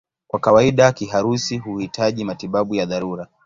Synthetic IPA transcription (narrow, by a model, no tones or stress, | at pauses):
kwakawaiɗakiɦaɾusiɦuhitʰaʄimatiɓaɓujaðaɾuɾa